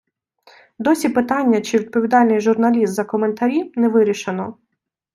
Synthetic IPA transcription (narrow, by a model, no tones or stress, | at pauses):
d̪ɔsʲipɪt̪ɑnʲːɐt͡ʃɪʋʲid̪̚pɔʋʲid̪ɑlʲnɪjʒʊrnɐlʲist̪zɐkɔment̪ɐɾʲinɛʋɪɾʲiʃenɔ